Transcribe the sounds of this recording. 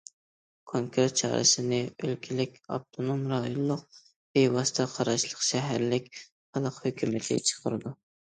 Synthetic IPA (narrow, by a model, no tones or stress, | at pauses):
kʰoŋkʰɾet̪̚t͡ʃʰɑ̰ːɾʔɨ̰sɪnɪølkʲʰɪlɪkʲɑ̰p̚t̪ʰonomɾɑjonlˠʊq̚ | bejwɑst̪ʰɛqʰɑɾɑʃlˠəqʃɛɦæɾlɪkʲ | χɑlˠəqhøkʲymɪt̪ʰɪ̰t͡ʃʰə̥qʰəɾɨd̪u